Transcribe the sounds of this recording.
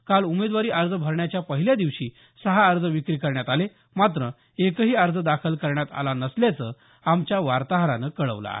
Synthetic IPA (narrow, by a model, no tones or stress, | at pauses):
kalumed̪ʋaɾiːʔəɾd͡zəbʱəɾɳjat͡ɕjapəɦiljad̪iʋɕiː | səɦaːɾd͡zəʋikɾiːkəɾɳjat̪ale | mat̪ɾə | ekəɦiːəɾd͡zəd̪akʰəlkəɾɳjat̪a̰lanəsljat͡səː | amt͡ɕjaʋaɾt̪aɦɾanəkəɭəʋla̰ɦ